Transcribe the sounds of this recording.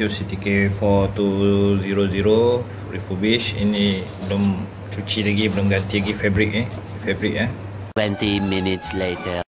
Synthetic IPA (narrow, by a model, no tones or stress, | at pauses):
usit̪ikefɔt̪uziɾoziɾo | ɾifubiʃḭnibəlom | t͡ʃut͡ʃilaɡibəlʊmɡant̪ilaɡifɛbɾik̚i | fɛbɾik̚a | twɛ̃ntiminitsletə